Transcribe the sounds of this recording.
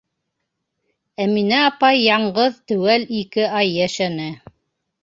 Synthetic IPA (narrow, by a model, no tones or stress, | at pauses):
æminæɑpɑjːɑɴɢɤðt̪ɵ̆wælikɘʔɑjːæʃænɘ